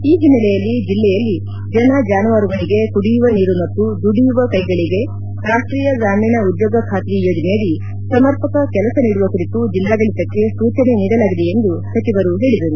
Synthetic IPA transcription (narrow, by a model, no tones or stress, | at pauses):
iːd͡ʒinːɐlɛjɐlːid͡ʒilːɛjɐlːi | d͡ʒɐnɐd͡ʒaːnuʋaːɾuɡɐɭiɡe̞kuɽijuʋɐniːɾumɐt̪ːud̪uɽijuʋɐkɐjɡɐɭiɡe̞ | ɾaːʂʈɾiːjɐɡaːmiːnɐud̪joːɡɐkʰaːt̪ijo̞ːd͡ʒɐnɛjɐli | sɐmɐɾpɐkɐkɛlɐsɐniːɽuʋɐkuɾit̪ud͡ʒilːaːɡɐɭit̪ɐkːe̞suːt͡ʃɐne̞niːɽɐlaːɡid̪eend̪usɐt͡ʃiʋɐɾuɦe̞ːɭid̪ɐɾu